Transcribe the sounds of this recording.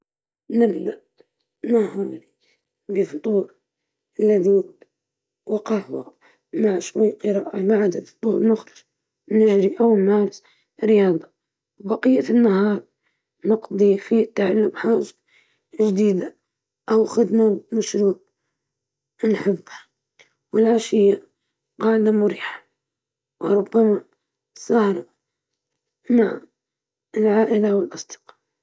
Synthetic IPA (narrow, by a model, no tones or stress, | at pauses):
nɪbd̪aʔ | nahɑːɾi | bəft̪ˤuːɾ | alːaði | wɑqɑʕha̰ | maʕʃwajːqɨɾaːʔamaʕad̪ad̪t̪ˤːuːɾmʊxɾɪʒ | nɪʒɾiʔawmaːɾs | ɾɪjɑːd̪ˤɑ | wbɑqijːafinːaɦɑːɾˤ | nɑqd̪ˤifit̪ːaʕalːʊmħaːʒḁ | ʒd̪iːd̪a | ʔawxɪd̪mamaʃɾuːb̚ | nħɪbːhḁ | wɪlʕaʃɪjːa | qɑːlamʊɾiːħḁ | wɾˤʊbːama | sˤɑhɾˤ | maʕ | ɪlʕaːʔɪlawɪlʔɑsˤd̪ɨ̥qɑ̥ːl